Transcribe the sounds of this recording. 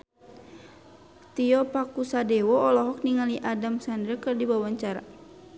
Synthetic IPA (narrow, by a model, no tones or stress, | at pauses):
t̪iɔpakusadɛwɔɔlɔɦɔk̚niŋaliʔadamsandɾəkɨrdibawaɲt͡ʃaɾa̰